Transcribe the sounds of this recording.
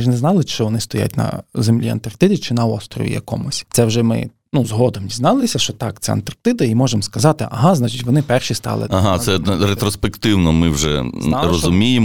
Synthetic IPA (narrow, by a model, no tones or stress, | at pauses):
ʒnɛznɑlˠɪt͡ʃɔʋɔnɪst̪ɔja̰t̚ʲnɐ̰zemlʲiɐ̰nt̪ɐrkt̪ɪd̪ʲit͡ʃɪnɐɔst̪ɾɔ̰ʋʲḭjɐ̰kɔ̰mʊsʲt̪sɛwʒɛmɪ̰ | nuzɦɔd̪ɔmdʲiznɑlˠɪsʲɐʃt͡ʃɔt̪ɑkt̪sɛ̰ɐ̰nt̪ɐrkt̪ɪd̪ɐimɔʒemskɐzɑt̪ɪʔɐ̰ɦɑznɑt͡ʃitʲʋɔnɪpɛrʃist̪ɑ̰lˠɪ̰aɦɑsɛɾet̪ɾɔspekt̪ɪwnɔmɪwʒɛrɔzʊmʲijem